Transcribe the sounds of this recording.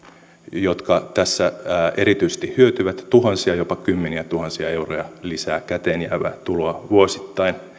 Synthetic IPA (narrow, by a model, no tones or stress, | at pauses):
jot̪kɑt̪æsːæeɾit̪yise̥st̪ihhyøt̪yʋæt̪t̪uɦɑnsiɑjopɑkymːeniæt̪uhɑnsiɑe̞urojɑlisæːkæt̪eːnjæ̰ʋæ̰t̪uloɑʋuosi̥t̪ːɑin